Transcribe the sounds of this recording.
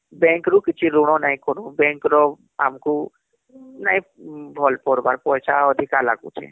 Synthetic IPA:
bɛ̃ŋkɾukɪt͡ʃʰiɾuɽ̃ɔnaĩkɔnũbɛ̃ŋkɾɔ | a̰mku | naĩbʱɔlpɔɾbaɾpɔjsʰaɔd̪ʱikala̰ɡṵt͡ʃʰɛ̰

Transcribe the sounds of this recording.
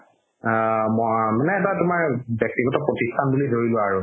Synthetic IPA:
mɔmanɛːtatumaɹbjɔk̚tiɡɔtɔpɹotistʰanbulidʱoɹilʊ̃aɹu

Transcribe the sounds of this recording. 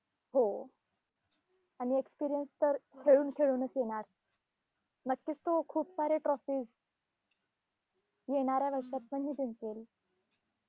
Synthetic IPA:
ɦo | aɽ̃iekspiɾijənst̪əɾkʰeɭuːnkʰeɭuːnəsjeɽ̃aɾ | nəkːiːst̪okʰuːpsaɾeʈɾɔfiːz | jeɽ̃aɾjaʋəɾʂat̪məɳɦid̪ent͡sel

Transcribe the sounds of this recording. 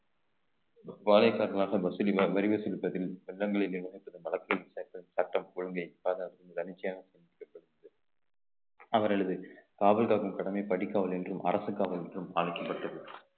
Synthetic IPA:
ʋaːlɐɪkːaːɾɐlaːɣɐbɐsɪlɪɐʋɐɾɪʋɐsɪlɯpːɐðɪlʋɛɭːɐŋɡɐɭɪleʋɪnɐɪpːɐðɐmɐlɐkːɐɣɐɭʋɪsaːɾɪt̪ːɐsɐʈːɐmkʊɻɐŋɡɐɪpaːðɐɐɾk̪ːɯnɐdɐnɪt͡ʃːɐjaːɣɐsɛnd̪ɪkːɐpːɐɽɯɐðɯ | ɐʋɐɾɐɭɐðɯkaːʋɐlkaːkɯmkɐɽɐmɐɪpɐɽɪkːaːʋɐlɛndrɯmʔɐ̰ɾɐsɯkːaːʋɐlɛndrɯmaːlɐɪkːɐpːɐʈrɐðɯ

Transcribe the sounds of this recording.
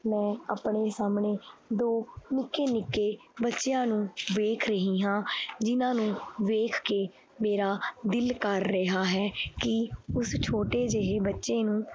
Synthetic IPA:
mɛ̃ːapɳeːsaːmneːd̪oːnɪkːeːnɪkːeːbətːʃjãːnũːʋeːkʰɾəɦiːɦãːd͡ʒɪnãːnũːʋeːkʰkeː | meːɾaːd̪ɪlkəɾːəɦaːɦɛːkɪʊst͡ʃʰoːʈeːd͡ʒeɦeːbətːʃeːnũː

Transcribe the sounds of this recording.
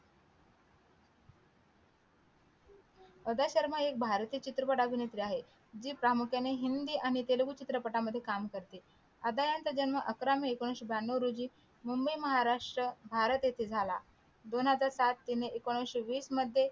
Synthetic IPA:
əd̪aɕəɾmaek̚bʱaɾt̪iːt͡ɕit̪ɾəpəʈabʱinet̪ɾiaɦe | d͡ʑiːpɾamukʰjaneɦind̪iːʔaɽ̃it̪elɡut͡ɕit̪ɾəpəʈaməd̪ʱːjekamkəɾt̪e | əd̪ajant̪əd͡ʑənməʔəkɾamiekoɽ̃ɕebjanːəɾud͡ʑiː | mumbəjməɦaɾaʂʈɾəbʱaɾət̪jet̪ʰed͡zʱala | d̪onɦəd͡zaɾsat̪ːineekoɽ̃əɕeʋiːsməd̪ʱːje

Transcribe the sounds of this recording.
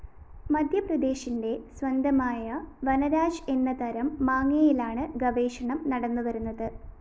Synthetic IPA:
mɐd̪ʱjɐprɐd̪e̞ːɕinde̞sʋɐnd̪ʱɐmaːjɐʋɐnɐɾaːɕe̞nːɐt̪ɐɾɐmːaːŋjɐjilaːɳɨɡɐʋeːʂɐɳɐmnɐɽɐnːuʋɐɾunːɐðɨ

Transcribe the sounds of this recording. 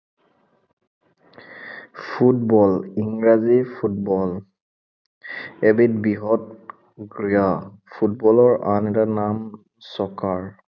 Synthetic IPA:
pʰutbɔliŋɹazipʰut̚bɔl | ebitbiɦɔt̚ | ɡɹija | pʰutbɔlɔɹanɛtanam | sɔkaɹ

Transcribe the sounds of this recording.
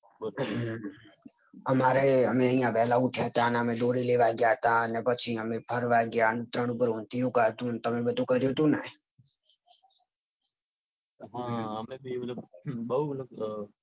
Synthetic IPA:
əmaɾeəmeəĩjãʋɛɦlauʈʰjaɦət̪aneəmed̪oɾileʋaɡjaɦət̪aənepət͡ʃʰiəmepʰəɾʋaɡjant̪ɾəɽ̃upəɾõnt̪ijũkəɦət̪ũnt̪əmebəd̪ʱũkəɾjot̪ũnaɦ | ɦãəmebʱimlbəɦul

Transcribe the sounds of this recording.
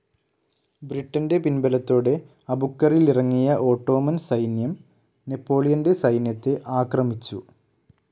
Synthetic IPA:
briʈːɐnde̞pinbɐlɐt̪ːo̞ːɽe̞ | ɐbukːɐrilirɐŋːijɐʔo̞ːʈːo̞ːmɐnsɐjnjɐm | ne̞pːo̞ːlijɐnde̞sɐjnjɐt̪ːe̞ʔaːkrɐmit͡ɕːu

